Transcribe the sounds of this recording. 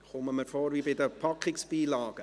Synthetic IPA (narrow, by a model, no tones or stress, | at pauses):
χʊməməɾfoːɾvibɪdəpʰɑkχɪksb̥iːlɑːɡ̥ə